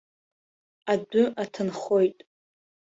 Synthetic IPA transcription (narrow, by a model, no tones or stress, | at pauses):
adʊʔatʰɨnχo̞jtʼ